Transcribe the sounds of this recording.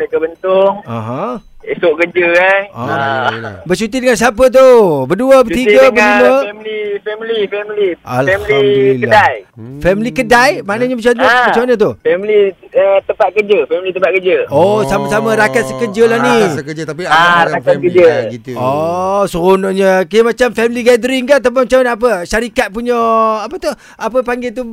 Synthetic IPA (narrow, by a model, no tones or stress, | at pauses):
lakəbənt̪ʊŋaɦã | esoʔkəd͡ʒəkana̰ | bət͡ʃut̪idəŋans̬iapət̪̬ubəduəbət̪iɡəbənunəɛmilifɛmilifɛmiliaɛmililədajfɛmilikədajmaʔnəɲəbət͡ʃanəbət͡ʃanət̪̬ufɛmliət̪əmpat̪̚kəd͡ʒəfɛmilit̪əmpat̪̚kəd͡ʒəosamasamaɾakat̪̚səkəd͡ʒəlahnisəkəd͡ʒət̪apiaaaɾakakəd͡ʒəit̪osəɣonoɲəkaəmat͡ʃamfɛmiliɡadəɾɪŋkaʔt̪̬əpamat͡ʃanap̬əʃaɾikat̪̚puɲɔapət̪uh | apəpaŋɡet̪u